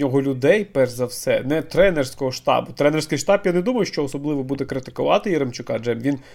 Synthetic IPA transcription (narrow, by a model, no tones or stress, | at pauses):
ɔɦɔlʲʊd̪ɛjpɛrzɐwsɛ̰nɛt̪ɾɛnɛrsʲkɔɦɔʃt̪ɑ̰bʊt̪ɾɛnersʲkɪjʃt̪ɑpjanɛd̪umɐjʊʃt͡ʃɔɔsɔblˠɪʋɔbud̪ɛkɾɪt̪ɪ̥kʊʋɑt̪ɪjɪɾemt͡ʃʊkɑd͡ʒɛmʋʲin